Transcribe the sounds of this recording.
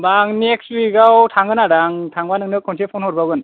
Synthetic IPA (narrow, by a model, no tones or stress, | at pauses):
baŋnekstwikawtʰaŋɯnaɾaŋtʰaŋbanɯŋnɯkʰɔnsepʰɔnhɔɾbaɡɯn